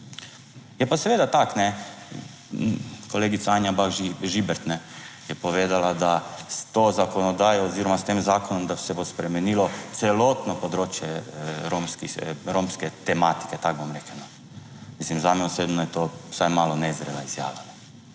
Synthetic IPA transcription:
jɛpasɛʋeːd̪at̪aknɛ | koleːɡit̪saaːnjabaʒiʒibɛɾt̪nɛjɛpoʋeːd̪alad̪ast̪oːzakonod̪aːjooziːɾomast̪eːmzaːkonomd̪asɛbospɾɛmenilot̪sɛlot̪nopod̪ɾoːt͡ʃjɛɾomskixɾomskɛt̪ɛmaːt̪i̥ket̪ak̚bamɾɛkɛno | mislimzamjɛosʋed̪nojɛt̪oːsajmaːlonɛzɾḛlaizja̰ːʋanɛ

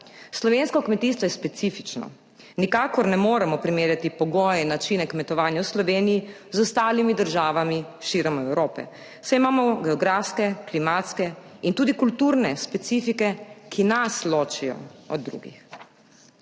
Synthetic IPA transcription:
slɔʋeːnskɔkmɛt̪iːst̪ʋɔjɛspɛt̪sifit͡ʃnɔ̰ | nikaːkɔɾnɛmoːɾɛmɔpɾimeːɾjat̪ipɔɡɔːjɛinːat͡ʃinɛkmɛt̪ɔʋaːnjawslɔʋeːniji | zɔst̪aːlimid̪əɾʒaːʋamiʃiɾɛmɔɛwɾoːpɛ̰ | sɛjimaːmɔɡɛɔɡɾaːfskɛklimaːt̪skɛint̪uːd̪ikult̪uːɾnɛspɛt̪sifikɛkʰinasloːt͡ʃijɔ̰ɔ̰d̪ːɾṵːɡḭx

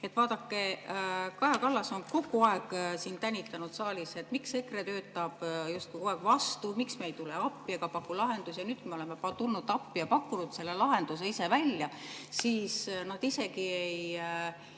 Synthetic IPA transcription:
e̞t̪ːˑvɑːd̪ɑkːe̞kɑjɑkɑlːɑso̞nko̞ɡuɑe̞ɡsiːnt̪ænʲːit̪ːˑɑnud̪̥sɑːlʲiset̪ːˑmiksːe̞kret̪ø̞ːt̪ːˑɑb̥just̪̚kueɡ̥vɑst̪umiksmejt̪ule̞ɑpːˑiɑkɑpɑkːˑulɑɦe̞nd̪usjɑnyːd̪̥̚kujmeo̞le̞me̞pɑt̪ulnud̪ɑpːˑijɑpɑkːunud̪̥se̞lːe̞lɑɦe̞nd̪̥use̞ise̞vælʲjɑsiːsnɑd̪̥ise̞kiej

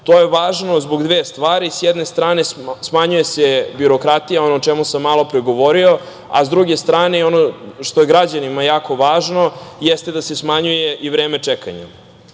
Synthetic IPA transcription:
t̪oje̞ʋaːʒnozboɡd̪ʋeːst̪ʋaːɾisjɛd̪nest̪ɾaːne̞smaɲuje̞sebiɾo̞kɾat̪ijao̞noːt͡ʃemusamːaːlˠo̞pɾeɡo̞ʋoɾio̞ | a̰zd̪ɾuɡe̞st̪ɾaːne̞io̞noʃt̪o̞jeɡɾad͡ʑanimajaːko̞ʋaːʒno̞jest̪ed̪ase̞smaɲuje̞ʔiʋɾeːme̞t͡ʂeka̰ɲa̰

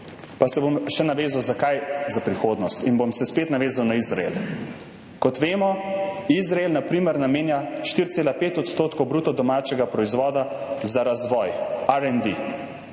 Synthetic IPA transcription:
pasɛbomʃɛnaʋeːzawzakajzapɾixoːd̪nɔst̪inbomsɛspeːt̪naʋeːzawnaizɾa̰ḛl | kɔt̪ʋeːmɔizɾaelnapɾiːməɾnameːnjaʃt̪iɾt̪seːlapeːt̪ɔt̪st̪oːt̪kowbɾut̪ɔd̪ɔmaːt͡ʃɛɡapɾɔizʋɔːd̪azaɾazʋɔːjaɾɛnd̪i

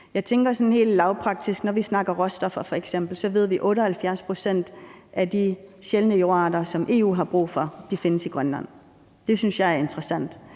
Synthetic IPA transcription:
jɑ̈ɪt͡sʰeŋɡ̥ɐsɒ̽nhe̝̰ːld̥lɑ̈ʊpʰʁɑ̈ɡ̥̚d̥isɡ̥nɒʋisnɑ̈ɡ̥ɐʁɒ̽sd̥ɒ̽fɐfɒ̽eɡ̥sem̰b̥l̩sɒ̽ʋe̝ð̞̰ˠʋiʔɔ̽ːɾəhælfjæɐspʰʁo̝sen̰d̥ʔæd̥iɕelnəjo̝ːʁɑdɐsɒ̽mʔe̝̰ːṵːɦɑ̈b̥ʁṵːfɒ̽d̥ife̝nəsiɡ̥ʁɶnlæn̰ | d̥e̝synsjɑ̈ɪæɐe̝nd̥ʁəsæn̰d̥

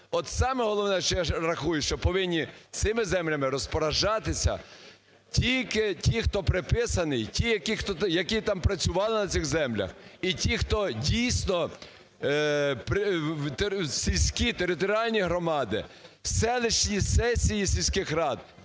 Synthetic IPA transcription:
ɔt̪sɑmɛɦɔlˠɔʋnɛʃt͡ʃjrɐxujʊʃt͡ʃɔpɔʋɪnʲːit̪sɪmɪzɛmlʲɐmɪɾɔspɔɾɐʒɑt̪ɪsʲɐ̰ | tʲilʲkɪtʲixt̪ɔpɾɪpɪsɐnɪjtʲijɐkixt̪ɔjɐkit̪ɑmpɾɐt͡sʲʊʋɑlˠɪnɐt͡s̪ʲɪɣzɛmlʲɐ̰xitʲixt̪ɔdʲijsʲnɔ | pɾ | sʲilʲsʲkʲit̪eɾɪt̪ɔɾʲiɑlʲnʲiɦɾɔmɑd̪ɪ̰sɛlˠɪʃnʲisɛsʲijisʲilʲsʲkɪxɾɑd̪̚

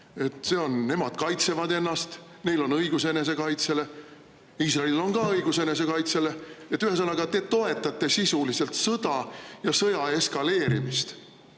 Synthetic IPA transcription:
e̞t̪ːˑse̞ːo̞nːe̞mɑd̪̥kɑjt̪se̞vɑd̪e̞nːɑst̪ | ne̞jlo̞nɤjɡ̥use̞ne̞s̬e̞kɑjt̪se̞le̞ | iːs̬rɑlilo̞nɡɑɤjɡ̥use̞ne̞s̬e̞kɑjt̪se̞le̞et̪ːˑyhe̞s̬ɑnːɑɡ̥ɑt̪e̞ːt̪o̞e̞t̪ːˑɑt̪ːˑe̞sisulise̞lt̪sɤd̪ɑjɑsɤjɑe̞skɑle̞ːɾimist̪

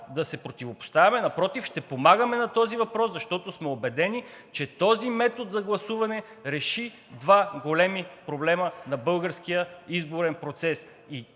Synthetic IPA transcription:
d̪ɐsɛpɾot̪ivopʊ̥st̪avɐmɛnɐpɾɔt̪ifʃt̪ɛpomaɡəmɛnɐt̪ɔzivɐpɾɔszɐʃt̪ɔt̪osmɛobɛd̪ɛni | t͡ʃɛt̪ɔzimɛt̪ot̪zɐɡlˠɐsuvɐnɛ | ɾɛʃi | d̪vaɡolɛmipɾoblɛmənɐbɤlˠɡəɾskijəizboɾɛnpɾot̪sɛs | i

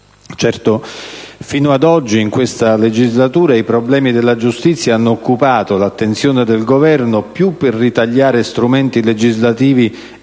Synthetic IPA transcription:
t͡ʃɛrt̪ofiːnoad̪ɔd͡ʒːiiŋkwest̪aled͡ʒizlat̪uːɾaipɾoblɛːmid̪elːad͡ʒust̪it̪sːjaanːoːkːupaːt̪olat̪ːent̪sjoːned̪elɡovɛrnopjupːerːit̪aʎːaːɾest̪ɾument̪iled͡ʒizlat̪iːvi

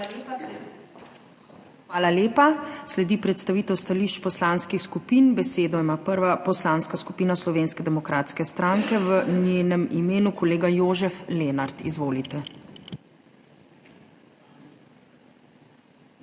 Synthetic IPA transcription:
xʋaːlaleːpaslɛd̪ipɾɛt̪st̪aʋiːt̪ɛwst̪aliːʃt͡ʃpɔslaːnskixskupiːnbɛseːd̪ɔimaːpəɾʋapɔslanskaskupiːnaslɔʋeːnskɛd̪ɛmɔkɾaːt̪skɛst̪ɾaːŋkɛʋəneːnɛmimeːnukɔleːɡajoːʒɛfleːnaɾt̪izʋoːlit̪ɛ

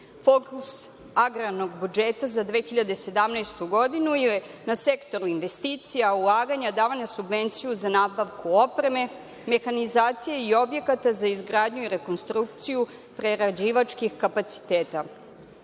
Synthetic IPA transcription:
fo̞kus | aɡɾano̞ɡbud͡ʒeːt̪azad̪ʋeːxiʎad̪ese̞d̪amnajst̪uɡo̞d̪inuje | nase̞kt̪o̞ɾuinʋe̞st̪iːt̪sijaulˠaːɡaɲad̪aːʋaɲasubʋe̞nt̪sijuzanaːbaʋkuo̞pɾe̞me̞ | me̞xanizaːt̪sijeio̞bje̞kat̪azaizɡɾaːd̪ɲuiɾe̞ko̞nst̪ɾuk̚t̪siju | pɾe̞ɾad͡ʑiʋat͡ʃkixkapat̪si̥t̪eːt̪a

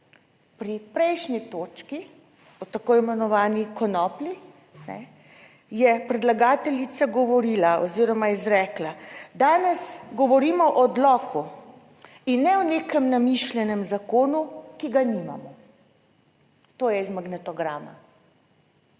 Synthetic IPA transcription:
pɾipɾɛjʃnit̪oːt͡ʃki | ɔt̪akoːimɛnɔʋaːnikɔnɔːpli | nɛ̰ | jɛpɾɛd̪laɡaːt̪ɛlit̪saɡɔʋɔɾiːlaʔɔziːɾɔmaizɾɛːklad̪aːnɛsɡɔʋɔɾiːmɔʔɔd̪lɔːku | inːɛɔneːkɛmnamiʃlʲɛnɛmzakoːnukiɡanima̰mɔ | t̪oːjɛizmaɡnɛt̪ɔɡɾama̰

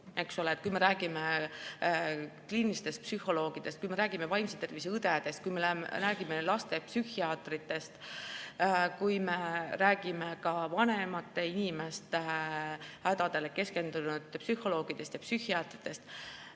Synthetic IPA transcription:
e̞kso̞leːt̪̚kujme̞ɾæːɡ̥ime | kliːnist̪e̞st̪̚psyho̞lo̞ːɡ̥id̪̥e̞st̪̚kujme̞ɾæːɡ̥imevɑjmset̪e̞rviseɯd̪ed̪̥e̞st̪̚kujmeleræːɡ̥imelɑst̪e̞psyhiɑːt̪rit̪ːe̞st̪ | kujme̞ɾæːɡ̥ime̞kɑvɑne̞mɑt̪ːe̞inime̞st̪ | hæd̪̥ɑd̪̥e̞leke̞ske̞nd̪unud̪̥psyho̞lo̞ːɡ̥id̪̥e̞st̪jɑpsyhiɑːt̪rit̪ːe̞st̪

